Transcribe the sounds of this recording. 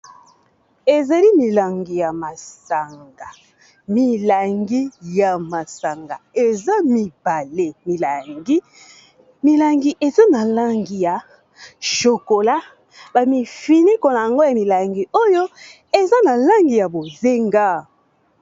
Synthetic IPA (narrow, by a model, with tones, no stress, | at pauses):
e˨za˨li˦mi˨la˨ŋɡi˨ja˨ma˨sa˨ŋɡa˨ | mi˨la˨ŋɡi˦ja˨ma˨sa˨ŋɡa˨e˨za˦mi˨ba˨le˦˨mi˨la˨ɡi˦ | mi˨la˨ŋɡi˨ʔe˨za˦na˨la˦ŋɡi˨ja˨ | ʃo˨ko˨la˦ | ba˨mi˨fi˨ni˦ko˨na˨ja˨ŋɡo˦ja˨mi˨la˨ŋɡi˨o˦jo˦ | e˨za˦na˨la˦ŋɡi˨ja˨bo˨ze˦ŋɡa˦